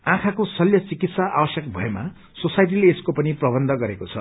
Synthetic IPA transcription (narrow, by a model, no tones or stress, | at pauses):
ãkʰakosʌljʌt͡sikit̪saʔabʌsjʌk̚bʱʌ̰ema̰ | sosajʈ̬ileːskopʌniprʌbʌnd̪ʱʌɡʌɾekot͡sʰʌ̰